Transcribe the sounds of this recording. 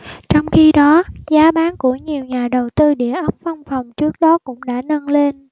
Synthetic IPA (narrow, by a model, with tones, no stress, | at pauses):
t͡ɕɔ˧wŋ͡mxi˧ɗɔ˨˦zaː˨˦ɓaː˨˦nku˧˩əɲi˨˩əwɲaː˨˩ɗə˨˩wt̪ɨ˧ɗḭ˧˩˨əʔə˦˥p̚va˧wŋ͡mfa˨˩wŋ͡mt͡ɕɨ˦˥ək̚ɗɔ˨˦kʊ̰˧˥ŋ͡mɗa̰ː˧˥˩nə˧nle˧n